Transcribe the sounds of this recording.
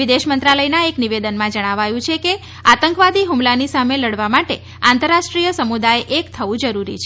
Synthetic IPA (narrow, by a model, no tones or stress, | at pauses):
ʋid̪eʃmənt̪ɾaləjnaekniʋed̪ənmãd͡ʒəɽ̃aʋajũt͡ʃʰeke | at̪əŋkʋad̪iɦumlanisameləɽʋamaʈe | ant̪əɾaʃʈɾijəsəmud̪ajeʔekt̪ʰəʋũd͡ʒəɾuɾḭt͡ʃʰe